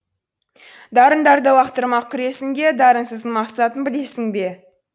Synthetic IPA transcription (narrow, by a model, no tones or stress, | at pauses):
d̪ɑɾənd̪ɑɾd̪əwɑqt̪əɾmɑkʲʰʏɾe̞sɪŋd̪ʲe̞d̪ɑɾəɴsəzənmɑqsɑt̪ənbɪle̞sɪŋbe̞